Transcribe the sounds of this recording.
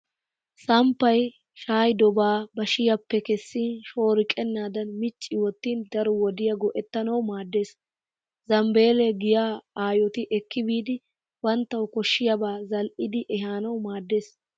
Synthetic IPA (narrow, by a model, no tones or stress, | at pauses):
sɐmpːɐj | ʃaːjd̪ɔbaːbɐʃɪjɐpːɛkɛsːiːnʃo̞ːɾɪkʼɛnːaːd̪ɐnmɪt͡ʃʼːɪwɔt̪ːiːnd̪ɐɾɔwɔd̪ɪjɐɡɔʔɛt̪ːɐnɐwmaːd̪ːe̞ːs | zɐmbe̞ːlɛɡɪjaːaːjɔt̪ɪʔɛkːɪbiːd̪ɪ | wɐnt̪ːɐwkɔʃːɪjɐbaːzɐlʔɪd̪ɪʔɛɦaːnɐwmaːd̪ːeːs